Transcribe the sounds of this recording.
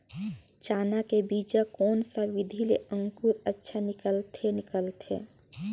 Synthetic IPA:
t͡ʃaːnakebiːd͡ʒakɔːnsaʋɪd̪ʱileə̃ŋkuɾətːʃʰanɪkəlt̪ʰenɪkəlt̪ʰḛː

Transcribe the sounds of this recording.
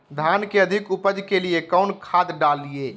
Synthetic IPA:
d̪ʱankeəd̪ʱikupəd͡ʒkelijekəʊnkʰad̪ɖalːie

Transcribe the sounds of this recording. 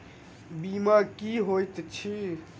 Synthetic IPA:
bimakiɦojt̪t͡ʃʰi

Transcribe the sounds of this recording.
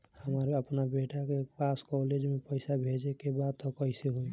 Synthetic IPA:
həməɾəpnabeʈakepaskɔled͡ʒmepəɪsabʱed͡ʒekebad̪̚t̪ɔkəɪseɦui

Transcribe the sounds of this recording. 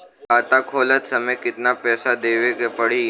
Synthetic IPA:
kaːt̪akʰoːlət̪səməjkɪt̪napɛːsad̪eːʋekepəɽ̤i

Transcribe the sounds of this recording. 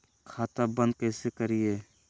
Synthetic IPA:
kʰaːt̪abə̃nd̪̚kɛːsekəɾieː

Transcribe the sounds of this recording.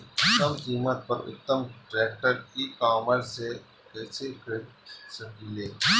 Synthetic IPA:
ɐmkiːmət̪̚pɐɾʊ̰t̪ːəmʈɾɛːkʈəɾkikaːməɾse | kɛːsekʰsɐɡileː

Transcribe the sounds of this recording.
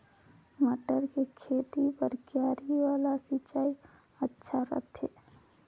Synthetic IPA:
məʈəɾkekʰet̪ipəɾkjaːɾiʋaːlasɪt͡ʃaːi | ətːʃʰaɾə̰t̪ʰɦeː

